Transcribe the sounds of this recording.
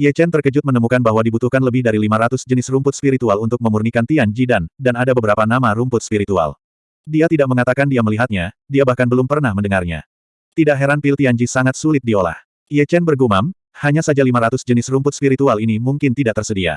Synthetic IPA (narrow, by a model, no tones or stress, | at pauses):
iɛt͡ʃɛnt̪ərkəd͡ʒʊt̪̚mənəmukanbaɦwadibut̪uhkanləbɪhdaɾilimaɾat̪ʊsd͡ʒənɪsrumpʊt̪̚spiɾit̪ualunt̪ʊk̚məmurnikant̪iaɲd͡ʒidandanadabəbəɾapanamaɾumpʊt̪̚spiɾit̪ua̰l | diat̪idaʔ̚məŋat̪akandiaməliɦat̪̚ɲa | diabahkanbəlumpərnahməndəŋarɲa̰ | t̪idaʔɦɛɾanpilt̪iaɲd͡ʒisaŋat̪̚sulɪt̪̚diola̰h | iɛt͡ʃɛnbərɡumam | haɲasad͡ʒalimaɾat̪ʊsd͡ʒənɪsrumpʊt̪spiɾit̪ualinimuŋkɪnt̪idaʔ̚t̪ərsədia̰